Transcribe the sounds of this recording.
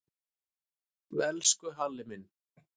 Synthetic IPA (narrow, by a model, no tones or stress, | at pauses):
vɛlskʏɦalːɪmɪn